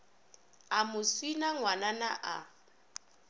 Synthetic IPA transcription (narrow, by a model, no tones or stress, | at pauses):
amʊswinaŋwananaʔa̰